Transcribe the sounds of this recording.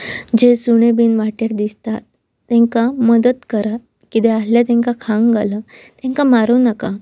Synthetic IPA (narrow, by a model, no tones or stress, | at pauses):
d͡ʑesuɽ̃ebinʋaʈeɾd̪ist̪at̪ː | ɛ̃ŋkaməd̪ət̪kəɾa | kit̪ɛasljat̪ẽŋkakʰãŋɡɡalət̪ɛ̃ŋkamaɾuːnəka